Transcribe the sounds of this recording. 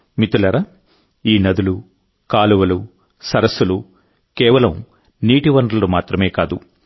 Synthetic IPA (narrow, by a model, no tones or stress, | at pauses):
mit̪ulɐɾɐ | iːnɐd̪ulu | kaːluʋɐlu | sɐɾɐsːulu | kɛːʋɐlɐm | niːʈiʋɐɳɖlɐlumaːt̪ɾɐme̞ːkaːd̪u